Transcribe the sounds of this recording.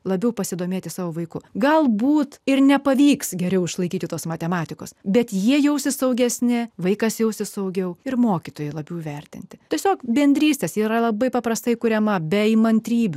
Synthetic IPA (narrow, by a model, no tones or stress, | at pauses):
lˠɐbʲɛʊpɐsʲɪd̪oːmʲeːt̪ʲɪsɑːʋoːʋɐɪkʊɡɐlˠbuːt̪ɪɾnʲɛpɐʋʲiːksɡʲɛɾʲɛʊɪʃlˠɐɪkʲiːt̪ʲɪt̪oːsmɐt̪ʲɛmɑːt̪ʲɪkoːsbʲɛt̪jiɛjɛʊsʲɪsɐʊɡʲɛsʲnʲɪʋɐɪkɐsjɛʊsʲɪsɐʊɡʲɛʊɪrmoːkʲɪt̪oːjɛlˠɐbʲɛʊʋʲɛrʲt̪ʲɪ̰nʲt̪ʲɪt̪ʲɛsʲoːkbʲɛnʲd̪ʲɾʲiːsʲt̪ʲeːsiːɾɐlˠɐbɐɪpɐpɾɐst̪ɐɪkʊɾʲɛmɐbʲɛɪmɐnʲt̪ʲɾʲiːbʲʊ